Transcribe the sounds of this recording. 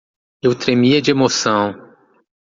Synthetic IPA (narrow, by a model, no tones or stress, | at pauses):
ewt̪ɾemiɐd͡ʒɪemosɐ̃w̃